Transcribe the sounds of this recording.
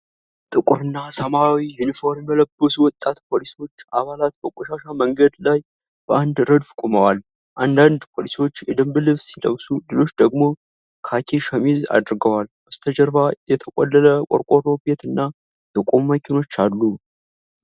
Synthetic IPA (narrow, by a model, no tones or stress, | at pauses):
t̪ʼɨkʼɨɾɨnːasəmawijunifo̞ɾmjɛləbːəsuwɔt̪ʼːat̪pʰo̞lisiwo̞t͡ʃːaβalat̪̚bəkʼoʃaʃaməŋɡəd̪laj | b̥əʔand̪ɾəd̪fkʼoməwal | ʔand̪and̪pʰo̞lisiwo̞t͡ʃːjɛd̪ɨmbɨlɨβsilə̰wsulɨlo̞t͡ʃːd̪əɡmo̞ | kʰakʰeʃəmiza̰d̪ɨɾɡəwalbəst̪ʰəd͡ʒəɾvajɛt̪ʰəkʼɔlːələkʼo̰ɾkʷʼoɾo̞bet̪ɨnːa | j̪əkʼommːəkʰɪno̞t͡ʃːalːu